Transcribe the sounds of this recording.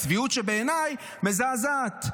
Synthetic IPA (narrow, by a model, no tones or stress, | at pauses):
sviut̪ʃebeːnaj | mezazat̪